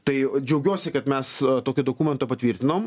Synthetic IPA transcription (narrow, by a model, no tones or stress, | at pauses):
t̪ɐɪd͡ʒʲɛʊɡʲuːsʲɪkɐt̪mʲɛst̪oːkʲɪd̪okuːmʲɛnt̪opɐt̪ʲʋʲiːɾʲt̪ʲɪnoːm